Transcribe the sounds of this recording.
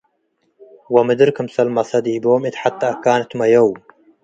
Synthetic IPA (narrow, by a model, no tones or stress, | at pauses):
wɐmɨd̪ɨɾkɨmsɐlmɐsɐd̪iːboːmet̪ħat̪ːaːkaːnɨt̪mɐjɐwm